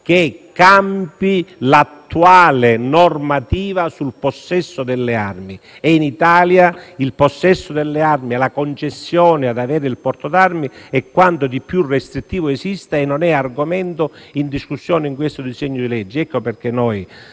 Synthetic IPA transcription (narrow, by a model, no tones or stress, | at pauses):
k̟ekːampilat̪ːuaːlenɔrmat̪iːvasulposːɛsːod̪ɛlːearmiɛinit̪aːljailposːɛsːod̪ɛlːearmiɛlakont͡ʃesːjɔːnɪad̪avɛːɾɪilpɔrt̪od̪armiɛkːwant̪od̪ipːjurːɛst̪ɾit̪ːiːvoɛsist̪aɛnːɔnɛarɡomɛnt̪o | ind̪iskusːjɔːnɪiŋk̬west̪od̪isɛɲːod̪ilɛd͡ʒːiɛkːoperk̟enɔj